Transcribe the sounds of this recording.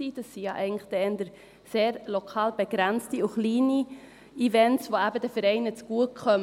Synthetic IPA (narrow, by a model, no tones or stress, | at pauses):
iːd̥ɑsːijɑʔɛ̰ɪɡəŋ̩lχd̥ɛɛndəɾ | seːɾlokʰɑːlb̥eɡ̥ɾænt͡stiʊχliːni | ivɛntsvoæbədɛfəɾɛɪnət͡sɡ̥uəkʰχœm